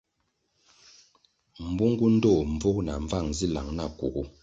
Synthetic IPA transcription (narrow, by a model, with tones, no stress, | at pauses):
m̩˨bu˦ŋ˦ɡu˦n̩˦dɔ˦˨m˨b͡vo˦k̚na̰˨ɱ˦va˦˨ŋzi˦la˨ŋna˦˨ku˨ɡu˦